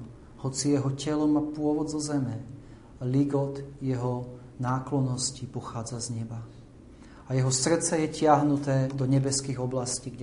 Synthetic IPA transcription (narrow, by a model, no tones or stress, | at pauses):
hɔt͡sijɛɦɔcɛlɔmapʊɔʋɔd̪zɔzɛmɛ | liɡɔt̪jɛɦɔ | naːklɔnːɔscipɔxaːd͡zazɲɛba | ajɛɦɔsr̩t̪t͡sɛjɛcɪaɦnut̪ɛːd̪ɔɲɛbɛskiːɣɔblasciːɡ